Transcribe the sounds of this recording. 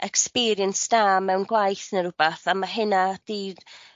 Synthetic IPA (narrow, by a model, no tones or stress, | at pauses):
ɛkspiːɾjənsdamːɛwnɡwajθənəɾʊbaθamaɦɪnad̥ir